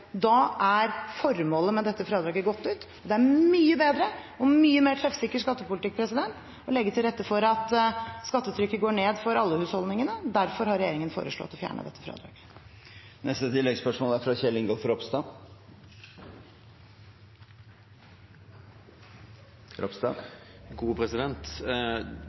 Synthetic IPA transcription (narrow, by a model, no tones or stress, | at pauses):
d̪ɑʔæɾfɔɾmoːləmɛd̪ɛt̪ːəfɾɑːd̪ɾɑːɡəɡɔt̪ːʉːt̪ | ɔd̪ɛæɾmyːəbeːd̪ɾəɔmyːəmeːʈʰɾɛfsɪkːəʂkɑt̪ːəpʊlɪt̪ɪk̚ːpʰɾɛsɪd̪ɛnt̪ | ɔlɛɡːət̪ʰɪlɾɛt̪ːəfɔɾɑt̪skɑt̪ːət̪ʰɾʏkːəɡoːɳeːd̪fɔɾɑlːəhʉːshɔld̪ɪŋənəd̪æɾfɔɾhɑɾɛjeːɾɪŋənfo̰ːɾəʂɭɔ̰t̪ːɔfjæ̰ːɳə̰d̪ɛ̰t̪ːəfɾɑ̰ːd̪ɾɑ̰ːɡə | nɛst̪ət̪ʰɪlːɛɡspœʂmoːlæɾfɾɑçɛlːɪŋɡolfɔɾɔpst̪ɑ | ɔpst̪ɑ̰ɡuːpʰɾɛsɪd̪ɛnt̪